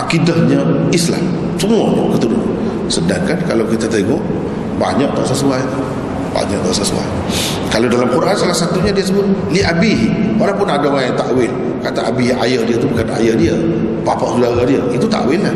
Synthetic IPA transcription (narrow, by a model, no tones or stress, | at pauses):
ʔakidahɲəisla̰m | səmuatɔkət̪ənua̰n | sədaŋkankalawkit̪at̪eŋɔʔ | ba̰ɲaʔt̪ɔʔsəsuaj | ba̰ɲaʔt̪ɔʔsəsṵa̰j | kaladalamkuɾaʔansalahsat̪uɲadiəsəbʊt̪̚liʔabiɦiwalawpʊnadawaant̪aʔwɪl | kat̪aʔabiɦa̰jədiat̪ubukana̰jədiəpapaʔsudaɾadiəit̪ut̪a̰ʔwɪllah